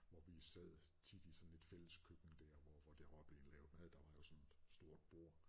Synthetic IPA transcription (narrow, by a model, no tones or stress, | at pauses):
ʋɒʋisɛð̰ˠt͡sʰid̥isɒ̽nn̩e̝d̥fel̰əskʰøɡ̥n̩d̥æɐ̰ʋɒʋɒd̥æɐɑb̥le̝n̩lɛːʊmæðˠd̥ɑ̈ʋɑ̈jo̝sɒ̽ne̝d̥sd̥o̝ɐ̰d̥̚b̥o̝ɐ̰